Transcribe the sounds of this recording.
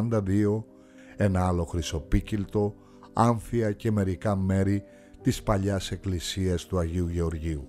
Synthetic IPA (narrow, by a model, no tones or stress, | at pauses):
nd̪ɐðio̞ | e̞nɐɐlo̞xɾiso̞picilt̪o̞ | ɐɱfiɐce̞me̞ɾikɐme̞ɾi | t̪ispɐʎɐse̞klisiɐst̪uɐʝiuʝe̞o̞ɾʝiu